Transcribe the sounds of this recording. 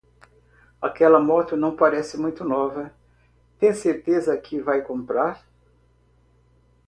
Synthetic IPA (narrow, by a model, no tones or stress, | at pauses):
akɛlɐmɔt̪ʊnɐ̃w̃paɾɛsɪmũj̃t̪ʊnɔvɐ | t̪ẽj̃seɾt̪ezɐkʰɪvajkõmpɾaɾ